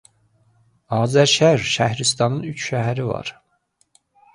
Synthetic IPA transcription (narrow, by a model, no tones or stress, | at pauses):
ɑːzæɾʃæɾʃæhɾist̪ɑnɯnyt͡ʃʰʃæɦæɾivɑ̰ɾ